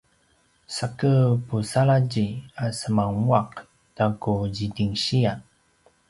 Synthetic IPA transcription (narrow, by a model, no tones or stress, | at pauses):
sakəpusalaɟiasəmaŋuaq̚ | d̥akuɟidiŋɕia